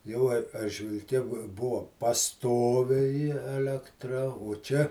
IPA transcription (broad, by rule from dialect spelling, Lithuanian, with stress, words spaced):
ˈjɛʊ ɐr ɐrʲʒʲʋʲɪlʲˈkʲɛ bʊ ˈbʊʋoː pɐˈstoːʋʲɛɪ ɛlʲɛkˈtrɐ oː ˈt͡ʃʲɛ